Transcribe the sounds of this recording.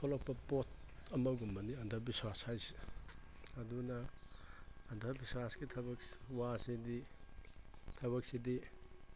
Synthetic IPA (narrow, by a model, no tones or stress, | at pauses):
kʰɔlɔk̚pɐpot̚ʰɐmɐɡumːɐniɐndʰʱɐɾbiswashajsi̥ | ɐdunɐː | ndʰʱɐɾbiswasɡitʰɐbɐkwasidi | tʰɐβɐk̚sidi